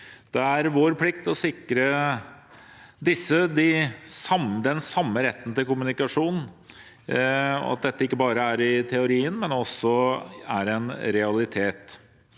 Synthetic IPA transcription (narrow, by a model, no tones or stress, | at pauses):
d̪̥ɛæɾʋoːɾpʰlɪkt̪ɔsɪkːɾə | d̪ɪsːəd̪ɪsɑmd̪ɛnsɑmːəɾɛt̪ːən̩t̪ɪlkʊmʉnɪkɑʂuːnn̩ | ɔ̰ɑ̰t̪̚d̪ɛt̪ːəɪkːəbɑːɾəæɾɪt̪ʰɛʊɾiːənmɛnɔsːɔæɾɛnɾɛɑlɪt̪ʰeːt̪